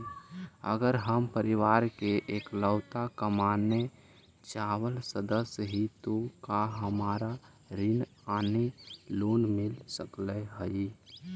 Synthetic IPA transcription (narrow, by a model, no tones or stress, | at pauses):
ə̰ɡəɾɦəmpəɾɪʋaːɾkeʔeːkləʊt̪akəmaːnːe | t͡ʃaːwəlsəd̪əsjɦit̪okaɦəmaːɾa | ɾɪn | aːneloːnmɪlsəkleɦəi